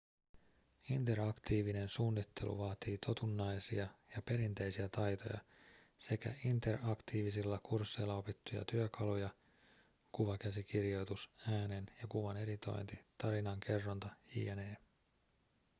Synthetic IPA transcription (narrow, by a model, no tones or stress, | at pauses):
int̪e̞ɾɑkt̪iːʋine̞nsuːnːit̪ʰːe̞̰lṵʋɑːt̪iːt̪ʰo̞t̪unːɑjsiɑjɑpe̞ɾint̪e̞jsiæt̪ɑjt̪o̞̰jɑ̰ | se̞kæ̰int̪e̞rʔɑkt̪iːʋisilːɑkursːejlːɑo̞pit̪ːujɑ̰t̪yøkʰɑlujɑ | kuʋɑkæsikirjo̞jt̪usæːne̞njɑkuʋɑne̞ɾit̪o̞̰jnt̪it̪ɑɾinɑŋkʰe̞rːont̪ɑḭːeneː